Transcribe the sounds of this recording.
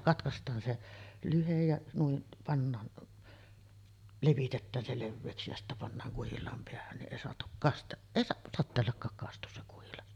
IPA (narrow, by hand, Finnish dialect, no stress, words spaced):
kɑtkɑstˑɑːn se lyhej jɑ nuiʔ pɑnːɑːn leʋitetːæːn se leʋːeːksi jɑ sitːæ pɑnːɑːŋ kuhilˑɑːm peæhæn niʔ ʔeˑi soɑtuk kɑst eˑi sɑtːeːlːɑkːɑːk kɑstus se kuhilɑs